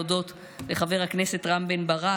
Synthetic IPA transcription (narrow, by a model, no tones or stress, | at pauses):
odo̞t | le̞χave̞ʁhaknese̞tʁambenbaʁa